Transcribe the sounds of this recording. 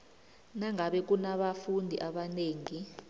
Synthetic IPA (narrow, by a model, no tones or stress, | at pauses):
naŋaɓɛk̬unaɓafundʱḭʔaɓaneːŋi